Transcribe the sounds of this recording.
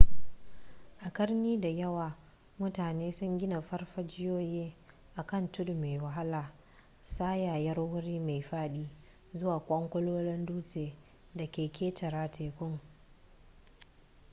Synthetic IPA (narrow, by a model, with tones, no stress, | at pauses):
ʔa˨kɐ˦rniː˦da˨jɐ˦waː˨ | mʊ˦taː˨neː˦sʊ˦ŋɡʲɪ˦na˨ɸɐ˦rɸa˦d͡ʒɪ˦joː˦jeː˦ | ʔa˨kɐ˦˨ntʊ˦dme˨jwɐ˨ɦa˦laː˨ | saː˦jaː˨jɐ˦rwʊ˦ɽiː˦ma˨jɸaː˦ɗiː˦ | zʊ˦waː˨kʷʼɔ˦ŋkʷʊ˦loː˦lɪ˦nduː˦seː˨ | dɐ˨kʲeː˨kʲeː˦tʰɐ˨ɾaː˨tʰeː˨kʷʊ˦ŋ